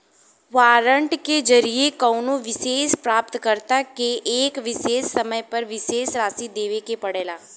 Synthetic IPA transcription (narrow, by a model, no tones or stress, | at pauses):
ʋaːɾəɳʈked͡ʒɐɾiekəʊnoʋɪʃeːspɾaːp̚t̪kəɾt̪akeʔeːkʋɪʃeːsːɐməjpɐɾʋɪʃeːsɾaːsid̪eːʋekepɐɽeːlaː